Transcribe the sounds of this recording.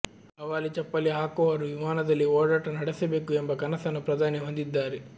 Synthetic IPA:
ɐʋaːlit͡ʃɛpːɐliɦaːkɔʋɐːɾuʋimaːnɐd̪ɐlːiɔːɽaːʈɐnɐɽɐsɐbeːkuembɐkɐnɐsɐnupɾɐd̪ʱaːniʋɐnd̪id̪ːaːɾi

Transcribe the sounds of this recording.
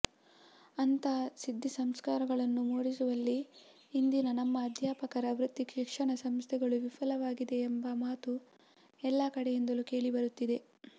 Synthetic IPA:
ɐnt̪ɐsid̪ʱːisɐmskaːɾɐɡɐɭɐnːumuːɽisuʋɐlːiː | nd̪inɐnɐmːɐːd̪ʱjaːpɐkɐɾɐʋɾut̪ːikʂikʂɐɳɐsɐmst̪ʰɛɡɐɭuʋifʰɐlɐʋaːɡid̪e̞ːmbɐmaːt̪u | ɛlːɐkɐɽejend̪ɐluke̞ːɭibɐɾut̪ːid̪e̞

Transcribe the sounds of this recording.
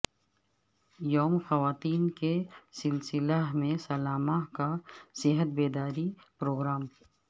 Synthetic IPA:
joːmxɐʋaːt̪iːnkesɪlsɪlaɦmẽsɐlaːmaɦkasɪɦət̪̚beːd̪aːɾi | pɾoːɡɾaːm

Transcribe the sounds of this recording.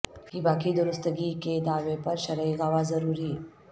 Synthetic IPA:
kiːbakiːd̪uɾəst̪əɡiːked̪aʋepəɾɕəɾəjɡaʋazəɾuːɾiː

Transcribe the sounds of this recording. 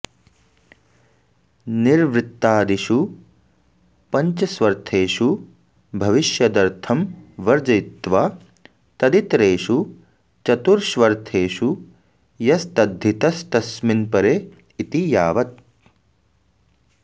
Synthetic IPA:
niɾʋɾɪt̪ːaːd̪iʃu | pɐɲt͡ʃɐsʋɐɾt̪ʰeːʃu | bʱɐʋiʃjɐd̪ɐɾt̪ʰɐmʋɐɾd͡ʒɐjt̪ʋaː | t̪ɐd̪it̪ɾeːʃu | t͡ʃɐt̪uɾʃʋɐɾt̪ʰeːʃu | jɐst̪ɐd̪ʱːit̪ɐst̪ɐsminpɐɾeː | it̪ijaːʋɐt̪̚

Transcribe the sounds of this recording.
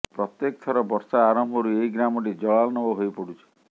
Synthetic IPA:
pɾɔt̪jekt̪ʰɔɾɔbɔɾsaːɾɔmbʱɔɾueiɡɾamɔʈid͡ʒɔalnɔbɔɦojpɔɽut͡ʃʰi̥

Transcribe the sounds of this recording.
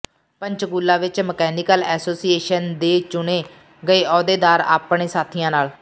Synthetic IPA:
pəɲt͡ʃɡuːlːãːʋɪt͡ʃməkɛːniːkəlɛːsoːsiːeːʃənd̪eːt͡ʃʊɳeː | ɡəeːɔːd̪eːd̪aːɾa̰ːpɳeːsaːt̪ʰijãːnaːl

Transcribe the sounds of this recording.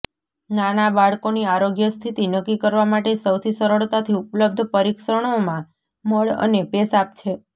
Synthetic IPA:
nanabaɭkoniaɾoɡjəst̪ʰit̪inəkːikəɾʋamaʈesəwt̪ʰisəɾəɭt̪at̪ʰiupləb̚d̪ʱpəɾiksəɳ̃omã | məɭə̰nepesap̚t͡ʃʰe

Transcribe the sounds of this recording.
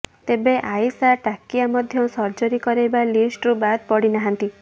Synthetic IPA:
t̪ebeʔajsaʈakiamɔd̪ʱjɔsɔɾd͡ʒɔɾikɔɾejbalisʈɾubad̪̚pɔɽinaɦant̪i

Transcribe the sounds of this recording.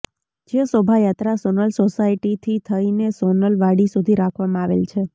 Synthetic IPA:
d͡ʒesobʱajat̪ɾasonəlsosaiʈit̪ʰit̪ʰəinesonəlʋaɽisud̪ʱiɾakʰʋamãaʋḛlt͡ʃʰe

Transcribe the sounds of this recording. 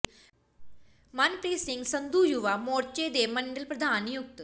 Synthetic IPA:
mɐnpɾiːsiŋɡsɐnd̪uːjuʋamoːɾt͡ʃeːd̪eːmɐɳɖɐlpɾɐd̪ʱaːnjuk̚t̪

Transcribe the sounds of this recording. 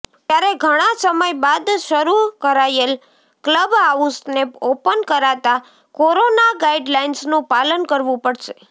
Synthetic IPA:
t̪jaɾeɡʱəɽ̃ãsəməjbad̪ʃəɾukəɾajel | kləbaũsnepopənkəɾat̪a | koɾonaɡaiɖlainsnũpalənkəɾʋũpəɽʃe

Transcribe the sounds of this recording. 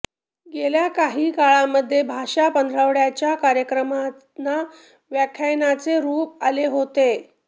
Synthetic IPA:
ɡeljakaɦiːkaɭaməd̪ʱːjebʱaʂapənd̪ʱɾəʋɽjat͡ɕjakaɾjəkɾəma | na | ʋjakʰjajnat͡seɾuːp̚aleɦot̪e

